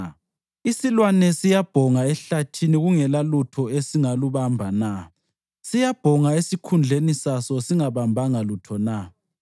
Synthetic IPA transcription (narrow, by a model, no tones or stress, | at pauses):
isilwanɛsijab̥ʱɔŋaɛɬatʰiniɣuŋɛlalutʰɔesiŋaluβambʱana | sijab̥ʱɔŋaesikʰund͡ɮʱenisasɔsiŋaβambʱaŋalutʰɔna